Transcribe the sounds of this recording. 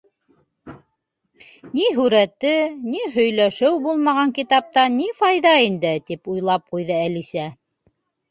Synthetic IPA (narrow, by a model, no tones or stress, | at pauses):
niɦʉɾæt̪ɘniɦɵ̆jlæʃɘwbulˠmɑʁɑŋkit̪ɑp̚t̪ɑnifɑjðɑind̪ɘt̪ipujlˠɑp̚qujðɤælisæ